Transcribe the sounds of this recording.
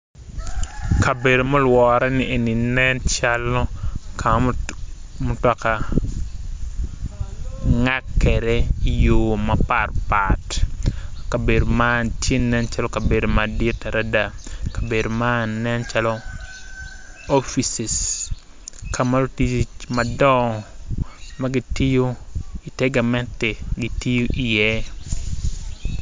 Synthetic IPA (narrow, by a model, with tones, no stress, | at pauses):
ka˨be˨do˨mo˦lwɔɾɛ˦niʔe˨ni˨nɛnt͡ʃalɔ˦kʰa˨˦ | mo˦tɔ˨ka˨ | ŋa˦kːɛ˨ɾɛ˦ijoːma˨parpat | ka˨be˨do˨ma˦ntje˦nɛnt͡ʃa˦lɔka˨be˨do˨madi˦taɾʔada˨ka˨be˨do˨manːɛ˦nt͡ʃa˦lɔ˦ | o˦fisɪ˨s | kʰama˦ltit͡ʃmɐ˨dɔ | maɡi˦ti˦jo˦i˨tɛ˦ɡa˨mɛ˦ntɛ˨ɡi˨ti˦jo˦ʔi˨jɛ˦